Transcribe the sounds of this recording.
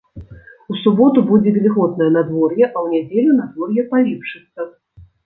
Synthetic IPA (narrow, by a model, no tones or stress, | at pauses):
usubɔt̪ubud͡zʲɛvʲivʲɨɣɔd̪̚nɐjɛnad̪vɔrjɛʔɐwnʲad͡zʲelʲunad̪vɔrjɛpalʲipʂɨt̪sːɐ